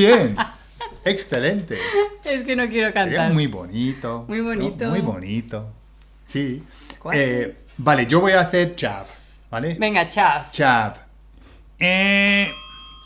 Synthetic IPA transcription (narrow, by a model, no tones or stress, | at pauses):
jen | eksθelẽnt̪eeskenokjeɾokaneaɾmwujbo̰nit̪omujβonit̪omujβonit̪o | si | kwae | baled͡ʒoβojaːθeɾt͡ʃab | balebeŋɡat͡ʃat͡ʃab | e